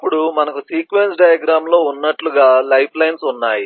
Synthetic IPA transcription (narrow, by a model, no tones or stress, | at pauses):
pːuɽumɐnɐkusiːkʋensɖɐjɐɡɾaːmlo̞ːunːɐʈluɡaːlɐjpʰlɐjnsunːaːji